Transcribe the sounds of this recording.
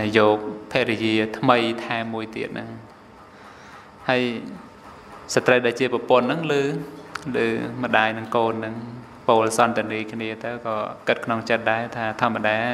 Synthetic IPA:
jɔːk̚pʰeːʔɾɛjiət̪ʰməjt̪ʰaɛmːuəjt̪iət̪̚nʔɨŋ | haəj | sat̪rəjɗaɛlt͡ɕiəprɑpŏənːɨŋlɨːlɨ̰ːmə̆ɗaːjnɨŋkoːnːɨŋ | poːlsɑnt̪ɛ̆əniːkʰniət̪ɨwkɑːkɨt̪̚kʰnoŋt͡ɕət̪̚ɗaɛt̪ʰaːt̪ʰŏəmːəɗaː

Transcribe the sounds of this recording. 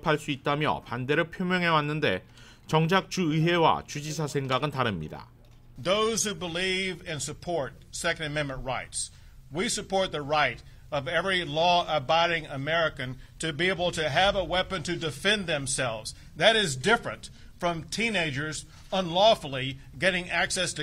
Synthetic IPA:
pʰaɭs͈uit̚t͈amjʌ̰pande̞ɾɯɭpʰjomjʌŋɦe̞wanːɯnde̞̰ | t͡ɕʌŋd͡ʑak̚t͡ɕuɯɦe̞wa̰t͡ɕud͡ʑisʰasʰe̞ŋɡaɡɯntaɾɯmɲḭda̰ | ðoʊz̥hubəlivɨ̃nsɨpʰɔɹt̚sɛkɨ̃ndɨmɛ̃nmɨ̃nɹaɪts | wisɨpʰɔɹt̪̚ðɨɹaɪɾ | ʌvɛvɹilɔəbaɪɾɪ̃ŋəmɛɹɨkɨ̃ntʰɨbieɪbl̩ˠtʰɨːvəwɛpɨ̃ntʰɨdɨfɛ̃nðɨ̃msɛlˠvz | ðɨɾɪzdɪfɹɨ̃nt | fɹʌ̃mtʰĩneɪd͡ʒə˞z | ə̃nlɔfl̩ˠi | ɡɛɾɪ̃ŋʔæksɛstʰɨ

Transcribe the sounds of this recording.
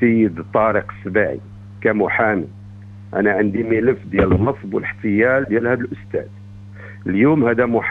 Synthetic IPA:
əjːəd̪t̪ˤːɑɾiqsbaʕḭ | kæmʊħami | ʔæ̰næʕənd̪imələfd̪jælənːəsˤbwəlħt̪əjæld̪jælhæd̪əlʔʊst̪æ̰d̪ | əljumhæd̪æmʊħ

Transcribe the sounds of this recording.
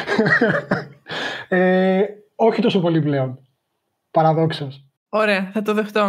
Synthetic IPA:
e | o̞çit̪o̞sopo̞liple̞on | pɐɾɐðo̞ksɐs | oɾe̞ɐθɐt̪oðext̪o

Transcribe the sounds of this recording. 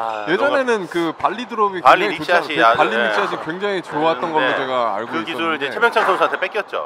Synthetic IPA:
je̞d͡ʑʌne̞nɯnkɯpaʎːidɯɾʌɡipaaɕʰiapaʎːiit͡ɕʰiaɕ̬ʰikwe̞ŋd͡ʑaŋit͡ɕoatt͈ʌnɡʌot͡ɕe̞ɡaa̰ɭɡoɯkiuɾɯɭid͡ʑet͡ɕʰebjʌŋt͡ɕʰʌŋsʰʌmsʰantʰep͈ek͈jʌt̚t͡ɕ͈o̰

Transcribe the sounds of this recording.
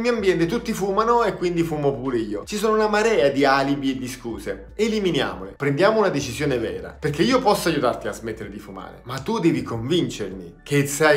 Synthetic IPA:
mijambjɛnt̪et̪ut̪ːifuːmanoekːwind̪ifumopuːɾeiːot͡ʃisoːnounamaɾɛːad̪iaːlibied̪ːiskuːze | eliminja̰ːmolɪpɾend̪jaːmounad̪et͡ʃisjoːnevɛ̰ːɾa̰perk̟ːeiːopɔsːoajut̪art̪iazmet̪ːeɾed̪ifuma̰ːɾḛmat̪ːud̪ɛːvikoɱvint͡ʃermikʰesa

